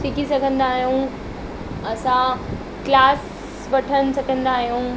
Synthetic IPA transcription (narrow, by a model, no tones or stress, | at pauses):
sikisɐɡʱə̃nd̪aːɦijũ | ɐsã | klaːs | ʋɐʈʰənɪ̆sɐɡʱə̃nd̪aːɦijũː